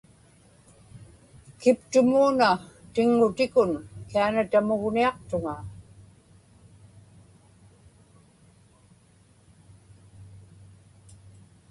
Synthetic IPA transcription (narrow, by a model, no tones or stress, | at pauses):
kɪpt̪ʊmuːnat̪ɪŋːʊt̪ɪkʊnkianat̪amʊɣniɑq̚t̪ʊŋa